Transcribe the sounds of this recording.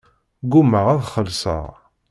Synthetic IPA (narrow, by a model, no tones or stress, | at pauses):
ɡʊmːəʁæðχəlsə̰ʁ